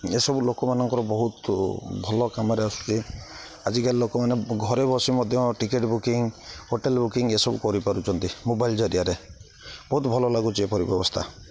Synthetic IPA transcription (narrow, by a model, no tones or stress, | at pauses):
esɔbulokɔmanɔŋkɔɾɔbɔɦut̪bʱɔlɔkamɔɾeɔsu̥t̪i | ad͡ʒikaɾilokɔmaneɡʱɔɾebɔsimɔd̪ʱjɔʈikeʈbukiŋhoʈelbukiŋesɔbukɔɾipaɾut͡ʃʰɔnt̪imobaild͡ʒɔɾijaɾe | bɔɦut̪bʱɔlɔlaɡut͡ʃʰiepɔɾibjɔbɔst̪ʰa̰